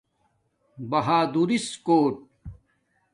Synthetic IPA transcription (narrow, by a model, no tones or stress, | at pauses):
bɐɦaːd̪uɾiskoːʈ̚